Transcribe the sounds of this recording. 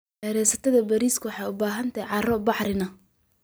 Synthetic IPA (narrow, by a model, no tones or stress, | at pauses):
hɛɾɛjsɐt̪ʰɐðɐbɐɾiːskʰʊwħɑjʊbaːɦɐnt̪ʰɐjʕɑrɔbɑħɾɪnɐ